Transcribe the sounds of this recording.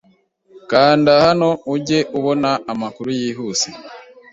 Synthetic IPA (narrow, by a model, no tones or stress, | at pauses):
kaːndahano̞uɟe̞ʔuβo̞naːmakuɾujiɦuːse